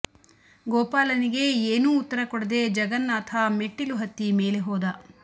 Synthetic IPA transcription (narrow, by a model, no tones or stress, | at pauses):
ɡɔːpaːlɐniɡe̞eːnuːt̪ːɐɾɐkɔɽɐd̪e̞d͡ʒɐɡɐnːaːt̪ʰameʈːiluɦɐt̪ːime̞ːleɦɔːd̪ɐ